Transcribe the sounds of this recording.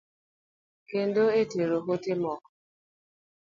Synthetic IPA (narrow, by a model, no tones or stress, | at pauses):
ken̩doeteɾoɦotemɔk